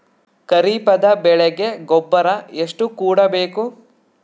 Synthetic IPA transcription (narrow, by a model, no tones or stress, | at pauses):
kɐɾiːpɐd̪ɐbɛɭɛɡe̞ɡɔbːɐɾɐeʂʈukuːɽɐbe̞ːku